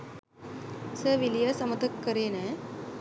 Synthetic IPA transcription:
səʋilijəsɐmət̪əkːəɾeːnɛ̃

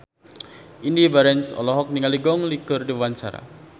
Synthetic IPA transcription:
ʔindibaɾɛnsɔ̰lɔɦɔk̚niŋaliɡɔŋlikərdiwant͡ʃaɾa̰

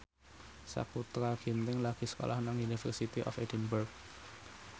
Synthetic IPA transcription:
sa̰kut̪ɾaɡ̥int̪ɪŋlaɡ̥i̤sə̥ko̰lahnaŋunifɛ̰rsit̪iʔɔ̰fedənbərk̚

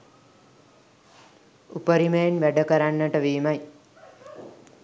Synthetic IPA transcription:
upəɾiməjenʋæɖəkəɾanːəʈəʋiːmaj

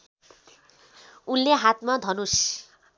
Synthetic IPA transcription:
ulːeɦat̪mad̪ʱʌnus

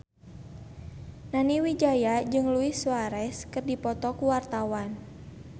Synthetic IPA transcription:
naniwid͡ʒajad͡ʒɨŋluɪsuaɾɛskɨrdipɔt̪ɔkuwart̪awan

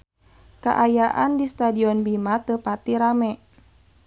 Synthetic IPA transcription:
ka̰ʔajaʔandist̪adiɔnbimat̪əpat̪iɾamɛ

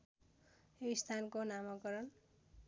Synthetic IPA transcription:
joist̪ʰankonamʌkʌɾʌn

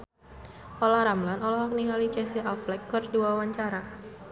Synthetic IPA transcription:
ʔolahɾamlanɔlɔɦɔk̚niŋɡalit͡ʃɛsiaflɛkːərduawaɲt͡ʃaɾa

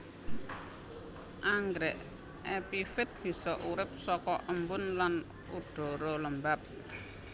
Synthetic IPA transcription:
ʔaŋɡɾɛʔ | epifɪt̪̚b̥i̤sɔʔuɾɪp̚sɔkɔʔəmbʊnlan | uɖ̥ɔ̤ɾoləmbap̚

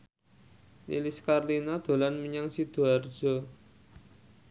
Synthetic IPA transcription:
lḭliskarlinad̪̥o̤lanmiɲaŋsid̪̥ṳar̥d͡ʒ̥ɔ̤

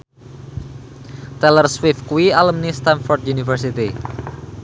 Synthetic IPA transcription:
t̪ɛlərswɪfkuialəmnist̪anfɔrt̪̚junifərsit̪i

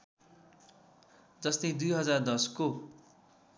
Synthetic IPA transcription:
d͡zʌst̪ʌjd̪ujɦʌd͡zard̪ʌsko

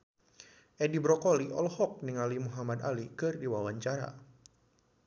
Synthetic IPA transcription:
ʔɛdibɾɔkɔliʔɔlhɔk̚niŋalimuɦamad̪alikɨrdiwawaɲt͡ʃaɾa̰

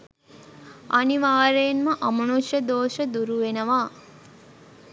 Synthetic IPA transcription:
aniʋaːɾeːnməʔɐmənuʃjəd̪oːʃəd̪uɾuʋenəʋaː

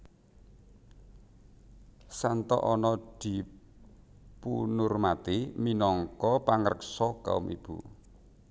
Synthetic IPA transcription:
sant̪ɔ̰ʔɔnɔd̪̥i̤ | punʊrmat̪iminɔŋkɔpaŋərəksɔka̰ʊ̰mʔḭb̥u

